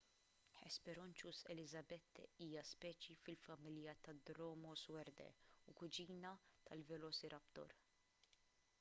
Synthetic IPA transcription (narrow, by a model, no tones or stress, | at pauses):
ħɛspɛɾɔnt͡ʃusɛlɪzɐbɛt̪ːɛiːjɐspɛːt͡ʃifɪlfɐmɪljɐt̪ɐd̪ɾɔːmɔswɛɾd̪ɛ̰ukʊd͡ʒiːnɐt̪ɐlvɛlɔːsiɾʔɐpt̪ɔ̰ɾ